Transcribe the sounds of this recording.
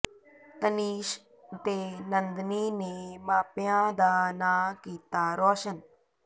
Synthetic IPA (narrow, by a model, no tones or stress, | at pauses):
t̪əniːʃ | t̪eːnənd̪niːnemaːpjãːd̪aːnaːkiːt̪aːɾoːʃən